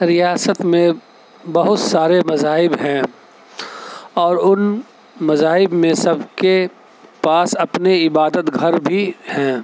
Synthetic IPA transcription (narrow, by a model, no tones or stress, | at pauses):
ɾijaːsət̪mẽ | bɐɦʊt̪saːɾemɐzaːɦɪbɦɛ̃ː | ɔːɾʊn | mɐzaːɦɪbmẽsɐbke | paːsɐpneɪbaːd̪ət̪ɡʱɐɾbʱihɛ̃ː